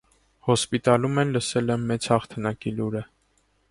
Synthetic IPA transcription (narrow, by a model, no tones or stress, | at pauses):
hɔspit̪ɑlumɛnləsɛlɛmːɛt͡shɑχt̪ʰənɑkiluɾə